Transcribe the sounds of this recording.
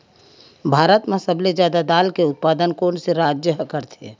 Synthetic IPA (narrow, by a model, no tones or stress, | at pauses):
bʱaːɾət̪mẽsəblezjaːd̪ad̪aːlkeʊt̪̚paːd̪ənkoːnseɾaːd͡ʒjəɦkəɾt̪ʰe